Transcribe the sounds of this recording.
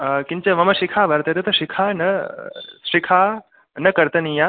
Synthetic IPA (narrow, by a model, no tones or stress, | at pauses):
kiɲt͡ʃɐmɐmɐʃikʰaːʋɐɾt̪ɐt̪et̪ɐʃikʰaːnɐ | ʃikʰaː | nɐkɐɾt̪ɐnija